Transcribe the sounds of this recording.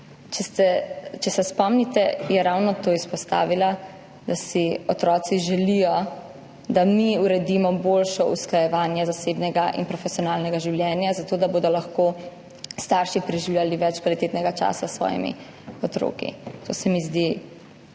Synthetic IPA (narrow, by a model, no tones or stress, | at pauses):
t͡ʃɛt̪ɛt͡ʃɛsɛspɔmnit̪ɛjɛɾawnɔt̪oːispɔst̪a̰ːʋila | d̪asiɔt̪ɾɔːt̪siʒɛlijɔ | d̪amiuɾɛd̪imɔbolʃɔʔusklajɛʋaːnjɛzasebnɛɡaʔḭnpɾɔfɛsijɔnaːlnɛɡaʒiwljɛːnjazat̪oːd̪aboːd̪ɔlaxko | st̪aɾʃipɾɛʒiwlʲjaliʋɛt͡ʃkʋalit̪eːt̪nɛɡat͡ʃa̰ːsasʋɔ̰ːjḭmḭ | ɔt̪ɾo̰ːkḭt̪o̰sɛmizd̪i